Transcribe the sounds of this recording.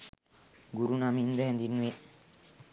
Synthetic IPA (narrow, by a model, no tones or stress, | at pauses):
ɡuɾunamind̪əɦɛnd̪inːuʋe